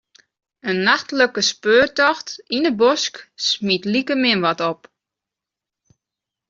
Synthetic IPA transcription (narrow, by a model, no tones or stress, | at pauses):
ənːaxtləkəspøːrtɔxtinəbosksmitlikəmɪnʋɔtɔp